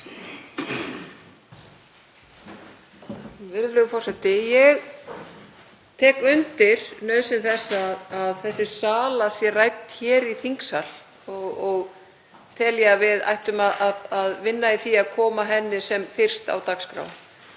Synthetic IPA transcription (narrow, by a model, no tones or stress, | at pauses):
vɪɾðlœɣʏfɔrsɛt̪ɪjɛɣ | t̪ʰɛːkʏnt̪ɪɾ̥nœːɥðsɪnθɛsːaðːðθɛsːɪ̥saːlasjɛrajt̪çɛːɾiθiŋksal̥ | ɔɣɔɣ | t̪ʰɛljavɪða̰jht̪ʏmaðaðaðvɪnːaiθiaðkʰɔːmaɦɛnːɪsɛmfɪr̥st̪a̰wt̪akskɾa̰ːw